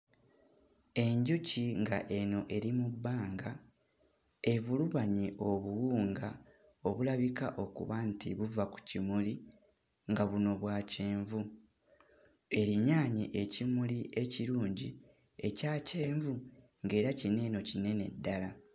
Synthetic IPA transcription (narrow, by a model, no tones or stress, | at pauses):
e̞ɲɟuciŋɡaʔe̞no̞ʔe̞ɾimubːaːŋɡa | e̞βuluβaɲiʔo̞βuwuːŋɡa | o̞βulaβikaʔo̞kṵβantʰḭβuvaku̥cimuli | ŋɡaβuno̞βwaːceːɱvu | e̞ɾiɲaːɲiʔecimuliʔe̞ciɾuːɲɟi | e̞caːce̞ːɱvu | ŋɡe̞ːɾacine̞ːno̞cine̞ne̞dːala